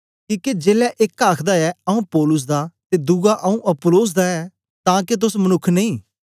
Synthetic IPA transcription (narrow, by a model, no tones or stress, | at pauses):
kĩːked͡ʒeːlɛːʔɪkːaːkʰd̪aːɛːəũːpɔːlʊs̬d̪aːt̪eːd̪ʊɡaʔəũːʔəpʊloːs̬d̪aːɛː | t̪ãːket̪̬ʊsmənʊkʰːneĩː